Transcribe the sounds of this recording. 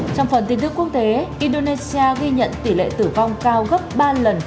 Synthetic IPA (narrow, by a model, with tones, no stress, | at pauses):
t͡ɕɔ˧wŋ͡mfə˨˩nt̪i˧˦nt̪ɨ˦˥ku˦˥ək̚t̪e˨˦ʔi˧nɗo˧ne˧si˧aː˧ɣi˧ɲə̰˧˨nt̪i˧˩lḛ˧˨t̪ɨ˧˩va˧wŋ͡mkaː˧wɣə˦˥p̚ɓaː˧lə˨˩n